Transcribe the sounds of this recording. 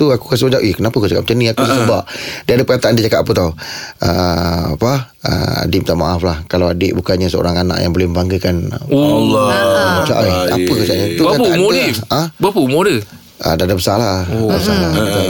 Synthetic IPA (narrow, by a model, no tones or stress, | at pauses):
t̪uaku̥kas̬ad͡ʒaʔikənapakuaka̰ʔ̚ət͡ʃəniakusəsəbaʔdiadəpəkat̪aʔandid͡ʒakat̪apət̪awəpa | ə̰a̰dɪm̚t̪aʔmaʔaflahkalawadeʔbukanɲəsəo̰ɾaŋana̰ʔjaŋbolɪhməmbaŋɡəkanalːmət͡ʃa̰ʔaia̰təkat͡ʃaʔt̪ukat̪aaoə̃bpəumodə | a̰dadabəsalaabəsalat̪a